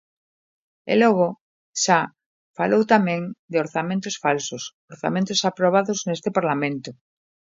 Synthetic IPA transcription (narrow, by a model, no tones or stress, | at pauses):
ḛloɣ̞o | ʃa | falowt̪amẽŋd̪eoɾθamẽnt̪osfalsosoɾθa̰mẽnt̪osapɾoβ̞aðoznest̪epaɾlamẽnt̪o